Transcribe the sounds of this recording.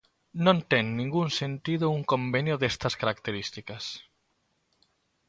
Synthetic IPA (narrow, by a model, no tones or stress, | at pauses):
nõnt̪eŋːĩŋɡunsent̪iðouŋkombenjoðest̪ɐskaɾakt̪eɾist̪ikas